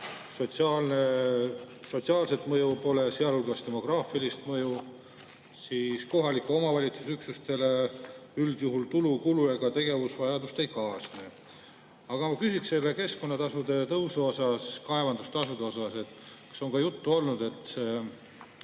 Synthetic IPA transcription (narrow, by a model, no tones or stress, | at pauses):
so̞t̪sɑlne | so̞t̪siɑːlse̞t̪mɤjupo̞le̞seɑlulɡɑst̪e̞mo̞krɑːfilist̪mɤju | siːsko̞ɦɑlikːˑuo̞mɑvɑlʲit̪su̥syksust̪e̞leyld̪̥juɦult̪ulukulujɑɡ̥ɑt̪e̞ɡ̥e̞vusvɑjɑd̪ust̪e̞jkɑːsne | ɑɡ̥ɑmɑkysikselːeke̞sko̞nːɑt̪ɑsud̪̥e̞t̪ɤwsuo̞sɑskɑe̞vɑnd̪ust̪ɑsud̪eo̞sɑse̞t̪kɑ̥so̞ŋkɑjut̪ːuo̞lnud̪̥e̞t̪ːse